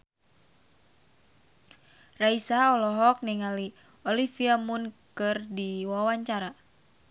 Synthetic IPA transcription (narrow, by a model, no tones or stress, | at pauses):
raisaɔlɔɦɔk̚niŋali | ɔlifiamunkɨrdiwawaɲt͡ʃaɾa